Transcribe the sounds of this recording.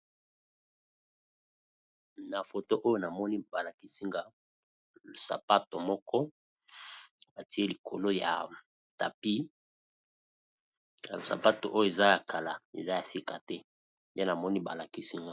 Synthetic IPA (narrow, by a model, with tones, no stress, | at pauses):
na˨fo˨to˦ʔo˦jo˦na˨mɔ˦ni˦ba˨la˨ki˦si˦ŋɡa˦ | o˨sa̰˨pa˦to˨mɔ˦kɔ˦ | ba˨ti˦e˦li˨kʰo˨lo˦ja̰˨ | ta̰˨pi˦ | a˨lo˨sa̰˨pa˦to̰˨ʔo˦jo˦e˨za˦ja˨kʰa˨la˨ḛ˨za˦ja˨si˦ka˨tɛ˦ | de˦na˨mɔ˦ni˦ba˨la˨ki˦si˦ŋɡa˦